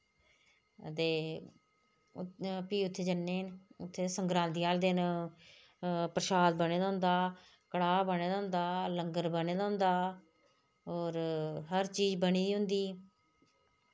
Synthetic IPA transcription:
ət̪eː | piːʊt̪ʰːeːd͡ʒənːeːnʊt̪ʰːeːsəŋɡɾãːnd̪iːaːld̪ɪn | pɾəʃaːd̪̚bəneːd̪aːɦʊ̃nd̪aː | kəɽaːbəneːd̪aːɦʊ̃nd̪aːləŋɡəɾbəneːd̪aːɦʊ̃nd̪aː | ɔːɾɦəɾt͡ʃiːd͡ʒbəniːɦʊ̃nd̪iː

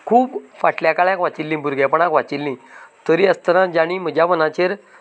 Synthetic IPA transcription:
kʰuːbfaʈljakaɭãkʋat͡ɕilːĩːbʱuɾɡepəɳ̃akʋat͡ɕilːĩt̪əɾiəst̪əɾãd͡ʑaɽ̃ĩːm̤əd͡ʑjaʋənat͡ɕeɾ

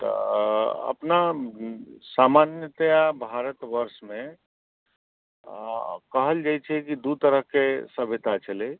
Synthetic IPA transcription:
t̪ɔ̰ | ə̰pna | samanjət̪jabʱaɾət̪ʋəɾsmẽ | kəɦəld͡ʒajt͡ʃʰɛkid̪ut̪əɾəɦkesəbʱet̪at͡ʃəle

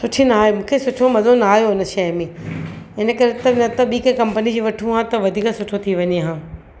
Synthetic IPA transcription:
sʊʈʰinaːɦemũːkʰesʊʈʰomɐzonaːɦijoɪnə̆ʃɐjmẽɪnə̆kɐɾet̪ɐnɐt̪ɐɓiːkẽkɐ̃mpənid͡ʑiʋɐʈʰũɦãːt̪ɐʋɐd̪ʱiːkasʊʈʰot̪ʰiʋɐɲeɦãː

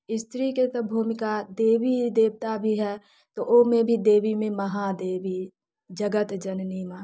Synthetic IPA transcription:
ɪst̪ɾiket̪əbʱuːmɪkad̪eːʋid̪eːbt̪abʱiɦɛ | t̪oʔomẽbʱid̪eːʋimẽmɐɦad̪eːʋi | d͡ʒəɡət̪d͡ʒɐnniːma

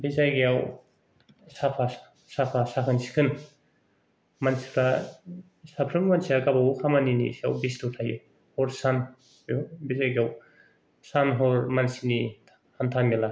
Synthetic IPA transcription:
bizajɡijaw | sapʰa | sapʰasakʰɯnsi̥kʰɯn | mansi̥kʰɾa | sapʰɾɯŋmansiaɡabawkʰamaninḭsia̰wbistutʰajṵ | hɔɾsan | jawbizajɡijaw | sanɦɔɾmansini | hantʰanɡela

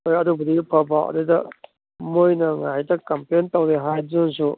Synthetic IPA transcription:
ojɐdubɐdipʰɐbawʔɐ̰dɯdɐ | mojnɐŋajtɐkɐmpentawdeɦajzɯnsu

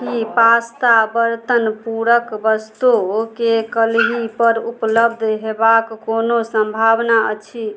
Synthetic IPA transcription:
kipast̪abəɾt̪ənpuɾəkbəst̪ukekəlɦipəɾupləbd̪ʱɦebakːonosəmbʱabnaə̰t͡ʃʰi

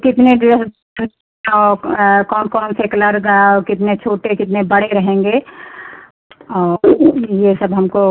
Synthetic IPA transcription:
kɪt̪neɖɪɾəs | n | ɔːkɔːnkɔːnsekɐləɾɡaɔkɪt̪net͡ʃʰoːʈekɪt̪nebɐɽeɾɐɦẽːŋɡeː | ɔːjesɐbɦɐmko

